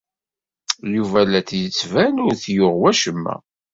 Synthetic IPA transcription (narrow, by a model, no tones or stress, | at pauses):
juvælæθjət͡sːvænʊɾθjʊʁwæʃəmːæ̰